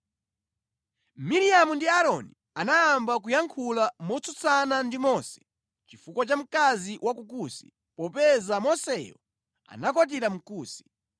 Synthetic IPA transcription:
miɾiamundiaɾɔni | anaambak̬ujaŋkʰulamɔt͡sut͡sanandimɔsɛ̥ | t͡ʃifukɔt͡ʃam̩kaziwakukusi̥ | pɔpɛzamɔsɛjɔ̰ | a̰nakɔt̬iɾam̩kuːsi̥

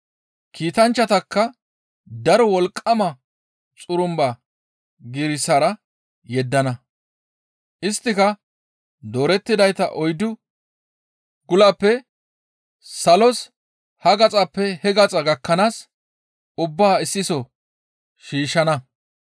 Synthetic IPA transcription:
kʰiːt̪ɐnt͡ʃːɐt̪ɐkːɐ | d̪ɐɾɔwɔlkʼːɐmɐ | t͡sʼʊɾʊmba | ɡɪɾɪsɐɾɐ | jɛd̪ːɐnɐ | ʔɪst̪ːɪkɐ | d̪o̞ːɾɛt̪ːɪd̪ɐjt̪ɐʔɔjd̪ʊ | ɡʊlɐpːɛ | sɐlɔs | hɐɡɐt͡sʼɐpːɛhɛɡɐt͡sʼɐɡɐkːɐnaːs | ʊbːaːɪsːɪsɔ | ʃiːʃɐnɐ

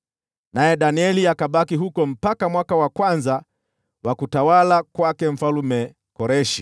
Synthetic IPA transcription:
najɛɗaniɛliakaɓakiɦukɔm̩pakamwakawakwanza | wakutawalakwakɛm̩falumɛ | kɔɾɛʃi

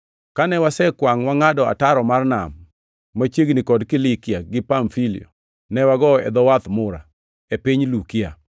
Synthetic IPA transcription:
kanɛwasɛkwaŋwaŋadɔa̰taɾɔmarna̰mː | at͡ʃeɡnikɔdkilikɪaɡɪpaɱfilḭɔ̰ | nɛwaɡɔɛ̰d̪ɔwat̪mʊɾa̰ | epiɲlukia̰

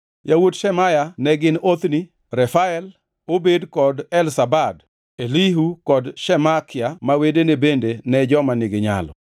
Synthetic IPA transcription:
jawodʃɛmajanɛɡɪnot̪ni | ɾɛfaɛl | obedkɔdɛlsabad | eliɦukɔdʃɛmakɪamawedenebendenɛd͡ʒɔmanɪɡɪɲa̰lɔ̰

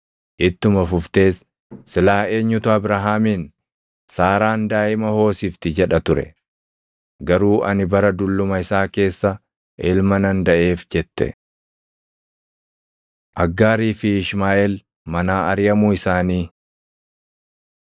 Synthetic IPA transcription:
ʔɪt̪ːʊmɐfʊft̪e̞ːs | sɪlaːe̞ːɲːʊt̪ʊɐbɾaɦaːmiːn | saːɾaːnd̪aːʔɪmɐho̞ːsɪːft̪ɪd͡ʒɛᶑɐt̪ʊɾɛ̰ | ɡɐɾuːʔɐnɪbɐɾɐd̪ʊlːʊmɐɪsaːke̞ːsːɐ | ʔɛlmɐnɐnd̪ɐʔe̞ːfd͡ʒɛt̪ːɛ̰ | ʔɐɡːaːɾiːfɪɪʃmaːʔɛl | mɐnaːɐɾɪjɐmuːɪsaːniː

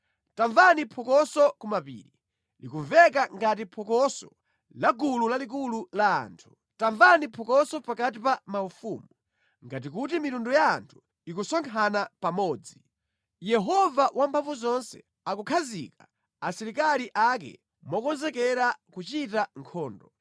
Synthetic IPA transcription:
taɱvanipʰɔkɔsɔkumapḭːɾi | likuɱvɛkaŋɡat̬ipʰɔkɔsɔ | laɡululalik̬ulula̰ːntʰu̥ | taɱvanipʰɔkɔsɔpakatipamaufumu | ŋɡat̬ik̬ut̬imitunduja̰ːntʰu̥ | ikusɔŋkʰanapamɔːd͡zi | jɛɦɔvawampʰaɱvuzɔnsɛ̰ | akukʰazḭka | asɛɾikaliʔakɛ̰ | mɔkɔnzɛkɛɾakut͡ʃitaŋkʰɔːndɔ

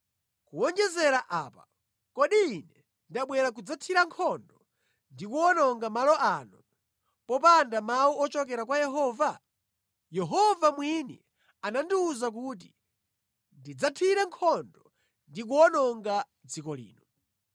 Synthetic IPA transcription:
kuɔnd͡ʒɛzɛɾaʔa̰ːpa̰ | kɔɗiːnɛ | ndaɓwɛɾak̬ud͡zatʰiɾaŋkʰɔndɔ | ndikuɔnɔŋɡamalɔʔanu | pɔp̬andamauɔt͡ʃɔkɛɾakwajɛɦɔːva | jɛɦɔvamwinḭ | anandiuzak̬uːt̬i | ndid͡zatʰiɾɛŋkʰɔndɔ | ndik̬uɔnɔŋɡa | d͡zikɔlḭːnɔ

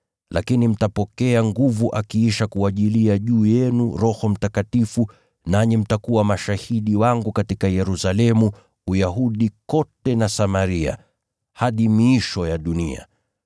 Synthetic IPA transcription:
lʔakinim̩tapɔkɛaŋɡuvuʔakiiʃakuaʄiliaʄuːjɛnuɾɔhɔm̩takatifu | naɲɛm̩takuwamaʃahiɗiwaŋɡukatikajɛɾusalɛmu | ujaɦuɗikɔtɛnasamaɾia̰ | haɗimiiʃɔjaɗunḭa̰

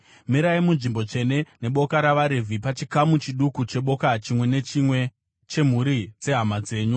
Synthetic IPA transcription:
miɾaimunʐimbo̞e̞ne̞ne̞ɓo̞kaɾaʋaɾevʱipat͡ʃikamut͡ʃiɗukut͡ʃe̞ɓo̞kat͡ʃimwe̞net͡ʃimwe | t͡ʃe̞m̤uɾid͡ze̞ɦamad͡ze̞ːɲu

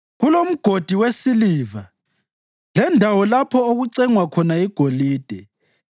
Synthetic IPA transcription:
ɣulom̩ɡ̥ʱod̥ʱiwesiliːva | lɛndʱawɔlapʰɔoɣuǀɛŋwakʰɔnaiɡ̥ʱoliːd̥ʱɛ

